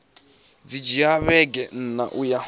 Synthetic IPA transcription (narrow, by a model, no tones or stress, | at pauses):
d͡zid͡ʒiaβɛɡɛn̩na̰ʔuja